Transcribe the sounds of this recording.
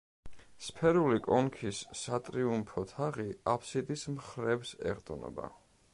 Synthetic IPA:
spʰɛɾulikʼɔnkʰisːat̪ʼɾiumpʰɔt̪ʰaʁiapʰsid̪ismχɾɛbsɛ̰ʁt̪ʼɔnɔ̰ba̰

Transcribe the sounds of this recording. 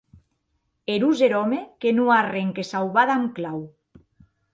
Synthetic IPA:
eɾuzeɾɔmekenuareŋkesawβaðamklaw

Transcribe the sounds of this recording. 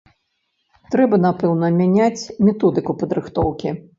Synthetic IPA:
t̪ɾɛbɐnapɛwnɐmʲanʲat͡sʲmʲɛt̪ɔd̪ɨkupɐd̪ɾɨxt̪ɔwkʲi

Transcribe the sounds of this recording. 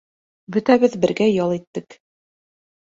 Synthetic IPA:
bɵ̆t̪æβɘðbɘ̆ɾɡæjɑlˠit̪ːɘk

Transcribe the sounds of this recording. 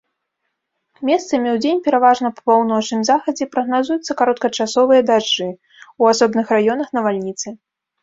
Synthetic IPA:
mʲɛst̪sɐmʲiwd͡zʲenʲpʲɛɾavaʐnɐpɐ̥pawnɔt͡ʂnɨmzaxɐd͡zʲɛpɾɐɣnazujut̪sːɐkaɾɔt̪̚kɐt͡ʂasɔvɨjɐd̪aʐːɨ | wasɔbnɨxrajɔn̪ɐxnɐvalʲnʲit̪sɨ

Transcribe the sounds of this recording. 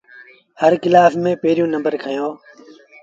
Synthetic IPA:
həɾkɪlaːfmẽːpeːɾijũːnəmbəɾkʰəjoː

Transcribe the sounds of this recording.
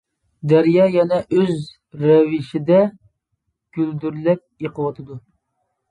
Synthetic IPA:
d̪æɾjɑːjɛnɛʔøz | ɾɛvɪʃɪd̪ɛ | ɡ̥ʲyld̪yɾlɛk̚ʲjeqʰəwɑt̪ʰɨd̪u

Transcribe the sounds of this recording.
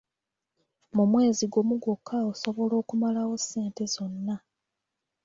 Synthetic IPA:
mumwe̞ːziɡo̞muɡokʰːao̞so̞βo̞lo̞ːkumalawo̞se̞ːnte̞zo̞nːa

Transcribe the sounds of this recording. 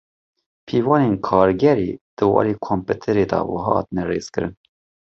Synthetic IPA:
pʰiːvɑːneːnkʰɑːɾɡɛɾeːd̪̥ɨwɑ̰ːɾiːkʰomput̪ʰɛɾeːd̪ɑ̰wɑ̰ɦɑːhɑ̰ːt̪ɨnɛreːz̥kɨɾɨn

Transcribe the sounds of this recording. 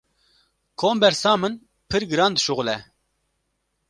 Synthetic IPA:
kʰoːmbɛɾsɑːmɨn | pʰɨɾɡɨɾɑːnd̪ɨʃuɣlɛ

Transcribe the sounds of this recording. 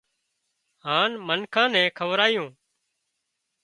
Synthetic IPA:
ɦaːnmənkʰãːnɛ̃ːkʰəʋɾaːjõː

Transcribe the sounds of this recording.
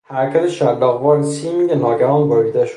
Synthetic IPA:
hæɾcʰæt̪ʰeʃælːɒːɣvɒːɾsiːmiːɡenɒːɟæɾɒːnboɾɡd̪æʃ

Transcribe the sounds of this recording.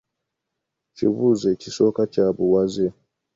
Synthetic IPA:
t͡ʃḭβuzɛt͡ʃisokat͡ʃabuwazɛ

